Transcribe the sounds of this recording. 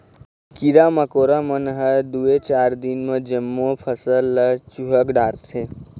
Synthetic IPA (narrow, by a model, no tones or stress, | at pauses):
kiɾaməkoːɾamənɦəd̪uet͡ʃaːɾd̪inmed͡ʒəmːopʰəsəlːət͡ʃuɦəkɖaːɾt̪ʰe